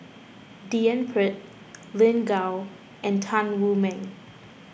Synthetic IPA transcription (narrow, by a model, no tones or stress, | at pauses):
diɛ̃npʰɹɪt̚ | lɪ̃nɡaw | ʔɛ̃ntʰãnwumɛ̃n